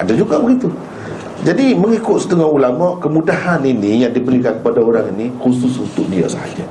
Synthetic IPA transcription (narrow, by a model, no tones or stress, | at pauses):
ʔa̰dad͡ʒuɡaʔbəɡit̪u | d͡ʒadiməŋikʊt̪̚sə̥t̪əŋɔhulamɔʔkəmudahaninĩjaŋdibəɾikankəpadaoɾaŋinikusʊsunt̪ʊk̚dia̰sa̰ha̰d͡ʒa